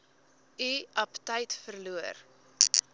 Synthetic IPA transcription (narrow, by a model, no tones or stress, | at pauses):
iɐptəjtfərluər